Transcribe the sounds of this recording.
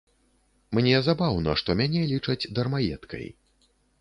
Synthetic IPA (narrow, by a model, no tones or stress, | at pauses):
mnʲɛzabawnɐʂt̪ɔmʲanʲɛlʲit͡ʂɐd͡zʲd̪ɐrmajɛ̰t̪kʰɐ̰j